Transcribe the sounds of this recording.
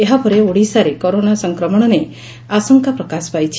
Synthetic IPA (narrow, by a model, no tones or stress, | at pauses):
eɦapɔɾeoɽisaɾekoɾonasɔŋkɾɔmɔɽ̃ɔne | asɔŋkapɾɔkaspajt͡ʃʰi̥